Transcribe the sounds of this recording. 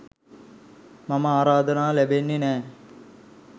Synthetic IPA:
mɐmɐaːɾaːd̪ʱɐnaːlebenːinɛː

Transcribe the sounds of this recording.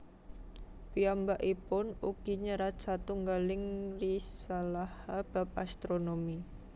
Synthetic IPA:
piambaʔipʊnuɡ̥iɲəɾat͡ʃat̪uŋɡalɪŋrisalahab̥a̤p̚ast̪ɾonomi

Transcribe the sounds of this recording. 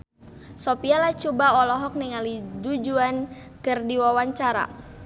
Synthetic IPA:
sopialat͡ʃubaɔlɔɦɔk̚niŋalidud͡ʒuan | kɨrdiwawaɲt͡ʃaɾa̰

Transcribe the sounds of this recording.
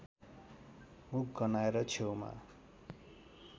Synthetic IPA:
muk̚ɡʌnaeɾʌt͡sʰewma̰

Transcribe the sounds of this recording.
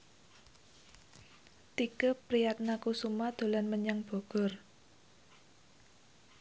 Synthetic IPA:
t̪ikəpɾijak̪̚nakusumad̪̥o̤lanməɲaŋb̥ɔ̤ɡ̥ɔ̤r

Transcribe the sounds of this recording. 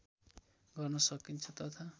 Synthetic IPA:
ɡʌrnʌsʌkint͡sʰʌt̪ʌt̪ʰa

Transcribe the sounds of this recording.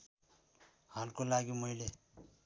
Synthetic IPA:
halkolaɡimʌɦile

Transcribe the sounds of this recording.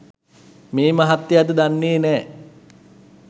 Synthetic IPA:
meːmaɦat̪ːejat̪əd̪anːeːnɛː

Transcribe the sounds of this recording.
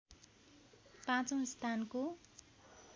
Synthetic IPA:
pãt͡sõw̃st̪ʰanko

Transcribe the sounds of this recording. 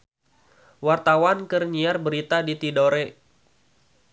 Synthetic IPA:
wart̪awankərɲiarbəɾit̪adit̪idoɾɛ

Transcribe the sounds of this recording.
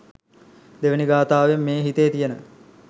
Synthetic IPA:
d̪eʋəniɡaːt̪aːʋemːeːɦit̪ejt̪ijənə

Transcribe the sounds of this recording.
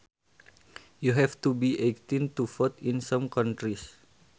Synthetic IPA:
juɦɛft̪ubiʔekt̪int̪ufɔt̪insãmkant̪ɾis

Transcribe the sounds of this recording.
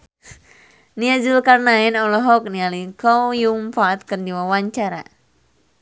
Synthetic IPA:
niad͡ʒulkarnaɛnɔlɔɦɔk̚nialikɔwjuŋpaːt̪̚kərndiwawaɲt͡ʃaɾa̰

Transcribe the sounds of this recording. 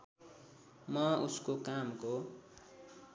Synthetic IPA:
mʌuskokamko

